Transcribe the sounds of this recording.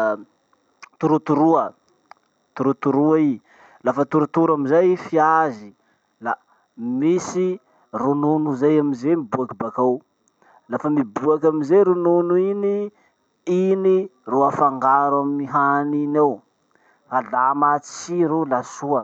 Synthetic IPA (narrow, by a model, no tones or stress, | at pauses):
t̪uɾut̪uɾuə | t̪uɾut̪uɾuai | lafət̪uɾut̪uɾamizajfiazi | la | misi | rununuzajamizemibuakibakaw | lafəmibuakʲamizeɾununuini | ini | ruafaŋɡaɾamiɦaninaw | falamat͡si̥t͡ʃiɾulasuə